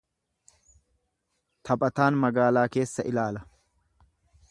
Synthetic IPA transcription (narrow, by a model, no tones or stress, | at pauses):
t̪ʰɐpʼɐt̪aːnmɐɡaːlaːke̞ːsːɐʔɪlaːlɐ